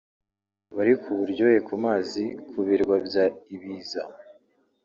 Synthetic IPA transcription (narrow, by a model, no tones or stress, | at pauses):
βaɾikʰuβuɾɟojekʰumaːzikʰuβiɾɡwabjaiβiːza